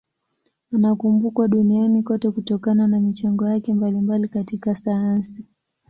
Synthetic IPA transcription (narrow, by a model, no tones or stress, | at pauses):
anakumbukwaɗunianikɔtɛkutɔkananamit͡ʃaŋɡɔjakɛmbalimbalikatikasajansi